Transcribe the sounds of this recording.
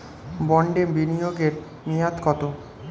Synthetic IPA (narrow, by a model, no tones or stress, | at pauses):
bɔɳɖebinijoɡeɾ | nijat̪kɔt̪o